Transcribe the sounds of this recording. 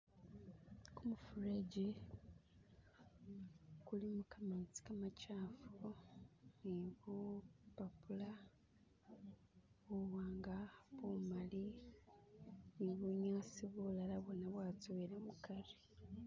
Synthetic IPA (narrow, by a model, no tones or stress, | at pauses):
kumufuɾeɟi | kulimukamet͡si̥kamacaːfu | niβupapula | βuwaːŋɡaβumali | niβuɲaːsiβulalaβonaβwat͡suelamukaɾi